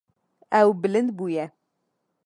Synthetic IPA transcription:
æwbɨlɨnd̪buːjɛ

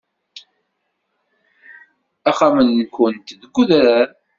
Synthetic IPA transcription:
aχamənːkʷənt̪ðəɡʷːuðɾaɾ

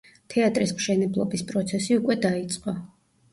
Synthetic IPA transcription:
t̪ʰɛat̪ʼɾismʃɛnɛblˠɔbispʼɾɔt̪sʰɛsiukʼwɛd̪ait̪sʼqʼɔ

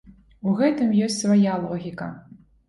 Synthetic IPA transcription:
uɣɛt̪ɨmjɔsʲtʲsvajalˠɔɣʲikɐ̰

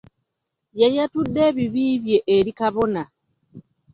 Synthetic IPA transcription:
jajatudːeβiβiːβjeʔeɾikaβo̞na

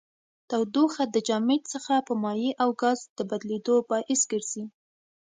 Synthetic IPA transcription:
t̪awd̪oxad̪əd͡ʒɑmet̪səxapəmɑjiʔawɡɑzd̪̥əbad̪led̪obɑʔɪsɡəɾz̥i

